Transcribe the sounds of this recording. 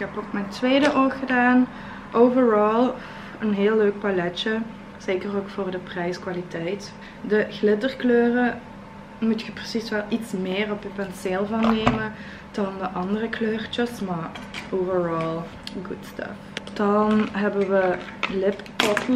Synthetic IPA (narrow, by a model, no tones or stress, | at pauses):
kɦɛpok̚mɛjntʋeːdəʔoxədaːn | ʔowvəɹɑlˠ | ənɦɪːlˠːøːk̚palɛt͡ʃə | z̥eːkəroːkfʊːrdəprɛjskʋaːlitɛjt | dəɣlɪtərkløːrə | mutxəprəsisʋɛlˠitsmɪːrɔpjəpɛnseːlˠvɑnːejmə | d̥ɑndəʔɑndərəkløːrt͡ʃəsmaːɹʔovəɹɑlˠ | ɡutstɑ̰fd̥ɑnɦɛbənʋəlɪppɔt